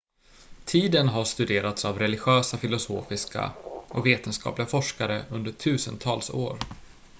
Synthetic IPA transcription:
t̪ʰiːd̪ənɦaʂt̪ɵd̪eːɾat̪savɾɛlɪɧøːsafɪlʊsoːfɪska̰ʔɔkveːt̪ənskɑ̰ːplɪɡafɔʂkaɾəɵnd̪əʈʰʉ̟ːsə̰nt̪ʰɑːlso̰ːɾ

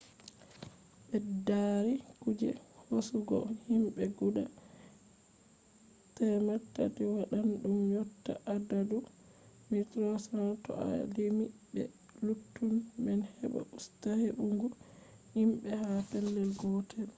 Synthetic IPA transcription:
bɛdaɾikud͡ʒɛ̰hosuɡɔ̰himɓɛɡuɗa | tɛmatːa̰tiwaɗanɗumjɔtːaʔadadu | mitɾɔsɾatɔ̰a̰limibɛ̰ | lutːunmɛnhɛɓa̰ʔustaheɓuŋɡu | himɓɛhapɛlːɛlɡɔtʰɛl

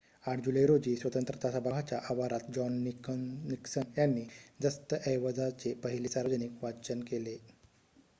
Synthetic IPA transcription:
aʈʰd͡ʑuləjɾod͡ʑiːsʋət̪ənt̪ɾət̪asabʱaɡat͡ɕjaʔaʋaɾat̪d͡ʑɔnːiniksənjanːiːd͡zəst̪əʔəjʋəd͡zat͡sepəɦiliːsaɾʋəd͡zənikʋat͡ɕənkele

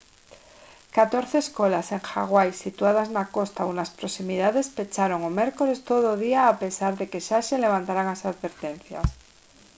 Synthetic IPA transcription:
kat̪o̞ɾθeːskolase̞ŋxa̰ɣ̞wajsit̪uað̞aznako̞st̪aunaspɾo̞simiðaðe̞spe̞t͡ʃaɾo̞ŋome̞ɾko̞le̞st̪o̞ðoð̞iaːpe̞saɾðe̞ke̞ʃase̞le̞βant̪aɾaŋasaðβe̞ɾt̪ẽ̞n̟θja̰s

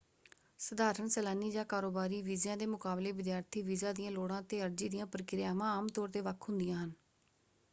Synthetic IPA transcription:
səd̪aːɾəɳsɛːlaːniːd͡ʒãːkaːɾoːbaːɾiːʋiːzjãːd̪eːmʊkaːbleːʋɪd̪jaːɾt̪ʰiːʋiːzaːd̪ɪjãːloːɽãːt̪eːəɾd͡ʒiːd̪ɪjãːpɾkɪɾɪjaːʋãːaːmt̪ɔːɾt̪eːʋəkʰɦʊnd̪ɪjãːɦən

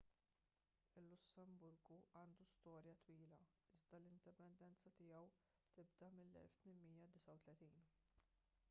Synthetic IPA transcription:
ɪlːʊsːɛmbʊɾɡuʔɐːnd̪ust̪ɔːɾjɐt̪wiːlɐ | ɪzd̪ɐlɪnd̪ɪpɛnd̪ɛnt͡sɐt̪ɪjɐw | t̪ɪbd̪ɐmɪlːɛ̰lft̪mɪnmiːjɐd̪ɪsɐwt̪lɛt̪iːn

